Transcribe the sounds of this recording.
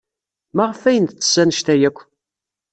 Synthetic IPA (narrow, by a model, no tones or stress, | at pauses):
mæʁəfæjənt̪t͡sːə̥sːænəʃt̪æjækʷː